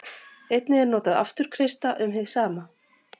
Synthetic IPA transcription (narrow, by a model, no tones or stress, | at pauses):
ejt̪nɪɛɾnɔːt̪aða̰ft̪ʏɾ̥kʰɾest̪aʔʏmɦɪðsaːma